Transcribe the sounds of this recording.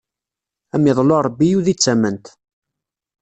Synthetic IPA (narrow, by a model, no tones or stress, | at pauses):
æmɪðˤloɾˤəbːijuðit͡sːæmənt̪